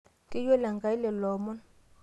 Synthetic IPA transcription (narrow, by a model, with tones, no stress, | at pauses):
tʼi˦jwɛ˦la˨ŋɡa˨i˦lɛ˨lɔː˨mɔ˦n